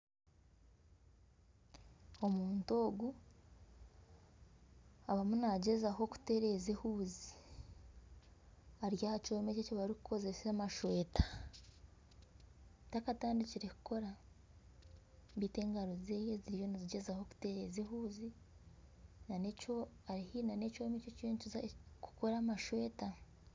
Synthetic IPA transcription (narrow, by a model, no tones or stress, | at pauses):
o̞muːnto̞ːɡu | aβamunaɟe̞zaɦo̞ku̥te̞ɾe̞zehuːzi | aɾjahat͡ʃo̞ːmececoβaɾikukʰo̞ze̞samaʃwe̞ːtḁ | takataːndiciɾeku̥ko̞ɾa | mbiːte̞ːŋɡaɾo̞zeːjeziɾijo̞niziɟe̞zaho̞ku̥te̞ɾe̞zeɦuːzi | nano | aɾihinanecoːmecocincizku̥ko̞ɾamaʃwe̞ːta